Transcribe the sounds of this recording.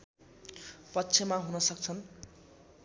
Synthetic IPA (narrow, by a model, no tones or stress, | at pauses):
pʌtːt͡sʰemaɦunʌsʌk̚t͡sʰʌn